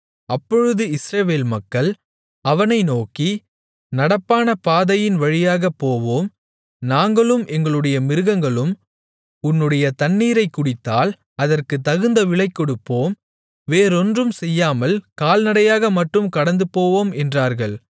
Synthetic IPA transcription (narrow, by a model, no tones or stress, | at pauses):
ɐpːɔɻɯðɯɪsɾɐʋeːlmɐkːɐɭ | ɐʋɐnɐɪnoːki | nɐɽɐpːaːnɐpaːðɐjɪnʋɐɻɪjaːɣɐpːoːʋoːm | naːŋɡɐɭɯmʔɛŋɡɐɭɯɽɐjɐmɪɾɯɣɐŋɡɐɭɯm | ʊnːɯɽɐjɐt̪ɐnːiːɾɐɪkːʊɽɪt̪ːaːl | ɐðɐrkɯt̪ːɐɣɯnd̪ɐʋɪɭɐɪkːɔɽɯpːoːm | ʋeːɾɔndrɯmsɛjːaːmɐlkaːlnɐɽɐjaːɣɐmɐʈrɯmkɐɽɐnd̪ɯpoːʋoːmɛndraːɾɣɐɭ